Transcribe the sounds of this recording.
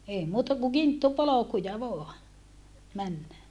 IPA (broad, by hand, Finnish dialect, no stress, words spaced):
ei muːtɑ ku kintːupolokujɑ ʋoɑ mænːæ